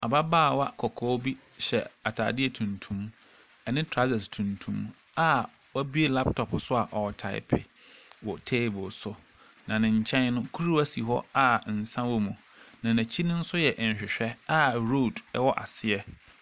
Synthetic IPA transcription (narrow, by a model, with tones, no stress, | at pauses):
a˨ba˦baː˦˨wa̰˦kʰɔ˨kʰɔ˦bi˦ | ɕɛ̰˨a˨tʰa̰ː˨dɪ˦ɛ˨tʰũ˨ntʰũ˦m | ɛ˨nɪ̃˦tʰɾa˦zɛ˨stʰũ˨ntʰṵ̃˦m | a˦ | wa˦bi˦e˦la˦ptʰɔ˨psʊ˦a˨ʔɔ˨tʰa̰˨ɪ̰˨pʰɪ̰˨ | wɔ˨tʰeː˦˨bʊ˨lsʊ˦ | nã˨nɪ̃˨ɲ̩˨t͡ɕʰɛ̃˦n˦nʊ̃˦kʰu˦ɾu˦æ˦si˨ɦɔ̰˦a˨n̩˨sã˦wɔ˦mũ˨ | nã˨næ̃˨t͡ɕʰi˦nʊ̃˦n̩˦sʊ˦jɛ˨ʔɲ˨ɕᶣɪ˨ɕᶣɛ˦a˦ɾo˦˨dɛ˦wɔ˦ʔa̰˨sɪ˨ɛ˦